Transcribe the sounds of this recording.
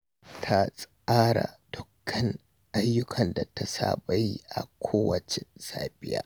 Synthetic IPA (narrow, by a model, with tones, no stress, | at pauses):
tʰa˦sʼ | aː˦ɽa̰˨d̥ʊ˨kʰːɐ˦n | ʔa˦jːʊ˦kʰɐ˨nda˨ta˦sa̰ː˦˨ba˦ji˦ʔa̰˨kʷʰoː˦wɐ˨t͡ʃɪ˨saː˦bɪ˦ja̰ː˦